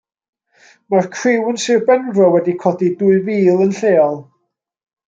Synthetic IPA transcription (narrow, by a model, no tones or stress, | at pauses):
markʰrɪwənsɪrbɛnvrɔwɛdikʰɔdiduɨviːlˠənɬeːɔlˠ